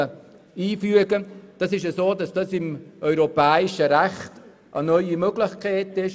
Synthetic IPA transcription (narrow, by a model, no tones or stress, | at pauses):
ə | iːfyəɡəd̥ɑsɪʃ̬əsoːdɑsd̥ɑsɪmʔœʏɾopɛːɪʃəɾæχt | ʔə̰nœʏimøɡlɪχkʰɛːtɪʃ